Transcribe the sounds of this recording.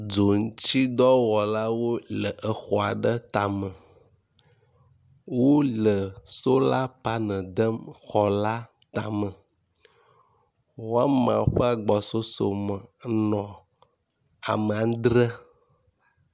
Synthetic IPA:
d͡zo˨ŋ̩˦t͡ɕi˦d̪ɔ˦wɔ˨la˦wo˦lə˨ʔə˨xɔ˨a˨ɖə˦t̪a˨mə̃˨ | wo˦lə˨so˦la˦pa˦nə̃˨d̪ə˦mxɔ˨la˦t̪a˨mə̃˨ | wo˦a˦mã˨˦ɸə˦a˨ɡ͡bɔ˨so˦so˨mə˨nɔ̃˨ | a̰˨mə˨a˨˦d̪ɾə˦

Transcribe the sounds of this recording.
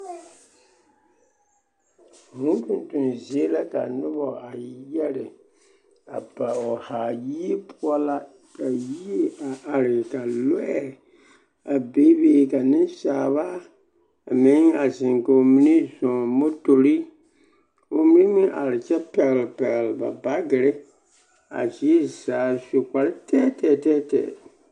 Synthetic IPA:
ŋũ˦tũ˨n˨tu˨nzi˨e˦la˦ka˨nʊ˦bɔ˨a˨˦jɛ˦ɾɪ˨ | a˨ba˨ɔ˨haː˨ji˦e˦pʰʊ˦ɔ˦la˦ | ka˨ji˦e˦a˨ʔa˨ɾɪ˨ka˨lɔ˦ɛ˦˨ | a˨be˦be˦ka˨nɪ̃˦n˦saː˨βa˦ | a˨mɪ˦ŋa˨zɪ˨ŋko˨o˨mi˦ni˦zɔ̃˨mo˦to˨ɾi˦ | o˨mi˦ni˦mĩ˦ʔa̰˨ɾɪ˨t͡ʃɛ˦pɛ˨ɣlpɛ˨ɣlba̰˨ba˦ɡɪ˨ɾɪ˦ | a̰˨zi˦zaː˨so˨kʷa˨ɾɪ˦tʰɛː˦tɛː˨tɛː˦tɛ̰ː˨

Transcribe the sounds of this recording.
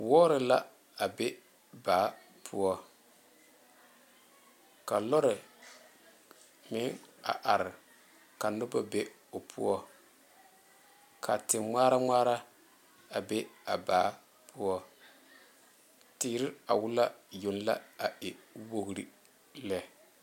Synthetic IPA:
wɔː˦ɾɪ˨la˦ | a˨be˦ | baː˨˦ | pʰʊ˦ɔ˦ | ka˨lɔ˦ɾɪ˨ | mɪ˦ŋa̰˨ʔa˨ɾɪ˨ | ka˨nʊ˦ba˦be˦ | o˨pʰṵ˦ɔ˦ | kʰa˨tɪ˨ŋ͡maː˦ɾa˦ŋ͡maː˦ɾa˦ | a˨be˦a˨baː˨˦ | pʰʊ˦ɔ˦ | tiː˨˦ɾɪ˦a˨wʊ˦la˦jo˨n˦la̰˦a˨ʔɪ˨˦wo˦ɣɾḭ˦ | lɛ˦

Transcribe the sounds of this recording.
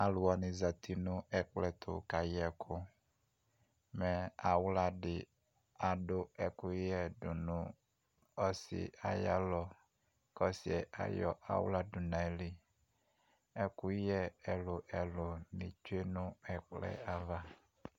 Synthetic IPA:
a˨lʊ˨a˨nɪ˨za˨t̪ʰi˨nʊ̃˦ɛ˨k͡plɛ˨t̪ʊ̰˨ka˨jɛ˨kʰʊ˦ | mɛ˨a˨wla˦ɖɪ˨ | a˨ɖʊ˦ɛ˨kʊ˦jɛ˦dʊ˨nʊ̃˦ | ɔ˦sɪ̰˨a˨ja˦lɔ˨ | kɔ˦si˨ɛ˨ʔa̰˨jɔ̰˦˨ʔa̰˨w̰la˦dʊ˨nã˨ɛ˨˦li˦ | ɛ˦kʊ˦jɛ˦ɛ˨lʊ˨ʔɛ˨lʊ˨nɪ̃˨t͡ʃe˦nʊ̃˦ɛ˨k͡plɛ̰˦a˨va˦

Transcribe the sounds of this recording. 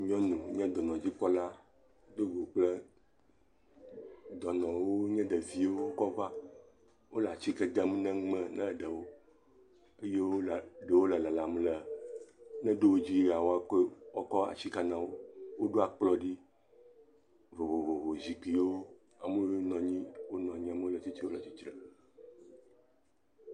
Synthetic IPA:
ɲɔ̃˦nũ˨ɲɛ̃˦d̪ɔ˨nɔ̃˨d͡ʑi˦k͡pɔ˦la˦ | d̪o˦ɡo˨k͡plɛ˦ | d̪ɔ˨nɔ̃˨wo˦ɲɛ̃˦ɖɛ˨vi˨wo˦wo˦kɔ˦va˦ | wo˦la˨t͡ɕi˦kɛ˨d̪ɛ˨mũ˦nɛ̃˦ŋ͡mɛ̃˦nɛ̃˦˨ɖɛ˨wo˦ | e˦je˦wo˦lɖe˨wo˦lɛ˨lɛ˨la˨m˦lə˨ | nɛ̃˦ɖo˦wo˦d͡ʑi˦ɾa˨wo˦a˦ke˦ɔ˦kɔ˦a̰˨t͡ɕi˦ka˦nã˦wo˦wo˦ɖo˦a˨k͡plɔ˦ɖi˦ | vo˨vo˨vo˨vo˨zi˨k͡pi˨˦wo˦ | a˨me˦wo˦nɔ̃˨ɲĩ˦wo˦nɔ̃˨ɲĩ˦a˨me˦wo˦lə˨t͡ɕi˦t͡ɕi˦wo˦lə˨t͡ɕi˦t͡ʃɾə˨

